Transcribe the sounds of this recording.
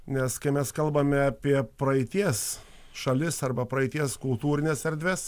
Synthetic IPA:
nʲɛskɐɪmʲɛskɐlˠbɐmʲɛɐpʲiɛpɾɐɪt̪ʲiɛs | ʃɐlʲɪsɐɾbɐpɾɐɪt̪ʲiɛskʊlˠt̪uːɾʲɪnʲesɛɾʲd̪ʲʋʲɛs

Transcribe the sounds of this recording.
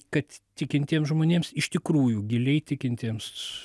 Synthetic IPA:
kɐt̪t̪ʲɪkʲɪnʲt̪ʲiɛmsʒmoːnʲeːmsɪʃt̪ʲɪkɾuːjuɡʲɪlʲɛɪt̪ʲɪkʲɪnʲt̪ʲiːms

